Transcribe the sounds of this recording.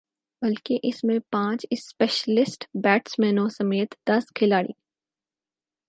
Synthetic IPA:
bɐlkeʔɪsmẽpãːt͡ʃɪspeːʃəlɪsʈbɛːʈsmɛːnõsɐmeːt̪d̪ɐskʰɪlaːɽḭː

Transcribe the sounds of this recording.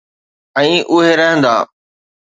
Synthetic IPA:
ɛ̃ːʔʊɦeɾɐɦə̃nd̪aː

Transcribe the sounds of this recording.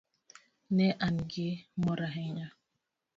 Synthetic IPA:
nɛʔanɡemɔɾaɦɛɲa

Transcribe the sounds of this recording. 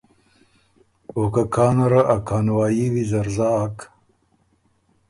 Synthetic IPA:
okakʰaːnɐɾɐʔakʰaːnwaːjiwizɐɾzak

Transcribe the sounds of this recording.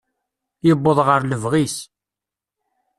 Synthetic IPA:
jəbːəðˤʁəɾləvʁis

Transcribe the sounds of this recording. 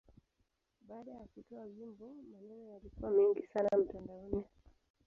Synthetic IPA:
ɓaːɗajakutɔavimbɔmanɛnɔjalikuwamiŋɡisanam̩tandaɔni

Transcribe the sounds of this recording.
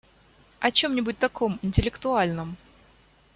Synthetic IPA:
ɐt͡ɕo̞mnʲɪbʊt̚ʲt̪ɐkʰo̞mɪnʲtʲɪlʲɪkt̪ʊalʲnəm

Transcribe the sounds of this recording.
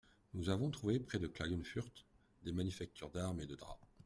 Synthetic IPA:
nuzavɔ̃t̪χuvepχɛd̪əklaɡynfyʁt̪ | d̪emanyfak̚t̪ʰyʁd̪aʁmed̪əd̪ʁa̰

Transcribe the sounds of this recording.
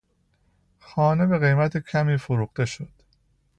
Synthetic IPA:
xɒːne̞be̞ɣe̞jmæt̪ʰecʰæmiːfoɾuːxt̪e̞ʃod̪̥

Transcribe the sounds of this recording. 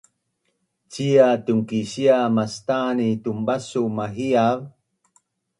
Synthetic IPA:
t͡ɕiatuŋkiɕiamast̪aːnitumbasumaɦiav

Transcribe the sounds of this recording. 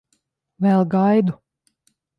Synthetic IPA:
vɛlˠɡajd̪u

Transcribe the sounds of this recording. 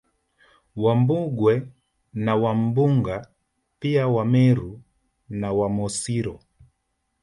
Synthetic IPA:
wambuɡwɛ | nawam̩buŋɡa | piawamɛɾu | nawamɔsiɾɔ

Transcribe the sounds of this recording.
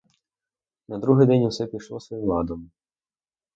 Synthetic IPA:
nɐd̪ɾuɦɪjd̪ɛnʲuwsɛpʲijʂlˠɔsʋɔjiwlˠɑd̪ɔm

